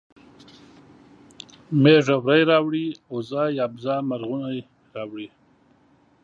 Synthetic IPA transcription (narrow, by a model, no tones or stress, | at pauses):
meʐawɾajɾɑwɽiozɑːjɑbzɑːmaɾɣunaj | ɾɑwɽi